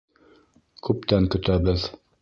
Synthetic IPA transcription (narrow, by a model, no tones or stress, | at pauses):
kʉp̚t̪æŋkɵ̆t̪æβɘð